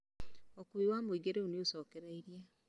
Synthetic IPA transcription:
okuiwamoiɡeɾeoniosɔːkeɾaiɾja

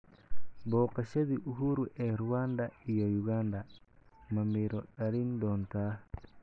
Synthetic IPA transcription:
bɔːqɐʃɐðiʔʊɦuɾʊʔɛːɾʊwand̪ɐijɔjʊɣand̪ɐ | mɐmiɾɔɗɐɾind̪ɔːnt̪ʰaː

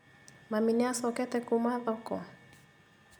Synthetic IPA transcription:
maminiasɔkɛt̪ɛkumaðɔkɔ

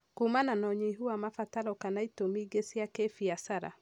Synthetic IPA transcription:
kumananɔɲiɦuamafataɾɔkanaitomiɡesiakefiasaɾa̰

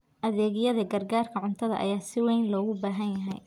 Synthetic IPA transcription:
ʔɐðɛːɣɪjɐðɐɡɐrɡaːrkʰɐʕʊnt̪ʰɐðɐ̰ʔɐ̰jaːsɪwɛjnlɔːɣʊbaːɦɐnjɐɦɛ̰j

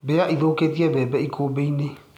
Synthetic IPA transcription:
bejaʔiðoːketiɛbɛːbɛikʰoːbeine

